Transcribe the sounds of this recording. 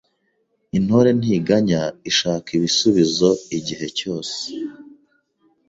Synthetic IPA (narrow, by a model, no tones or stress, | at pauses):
in̥hoɾe̞n̥iːɡaɲaiʃaːkiβisuβizo̞iɟiɦe̞co̞ːse̥